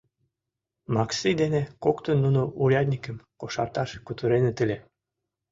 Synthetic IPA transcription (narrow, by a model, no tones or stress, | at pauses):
mɑksijd̪enekokt̪ənːunoʔulʲɑd̪ʲnʲikə̆mkoʃɑrt̪ɑʃkut̪əɾenet̪əlʲe